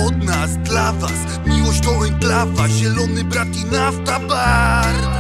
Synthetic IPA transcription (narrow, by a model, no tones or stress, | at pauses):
ɔd̪̚nasd̪lavas | mʲiwɔɕt̪ɔwɛjd̪lavaʑɛlɔnɘbɾak̪ʲinaft̪abaɾ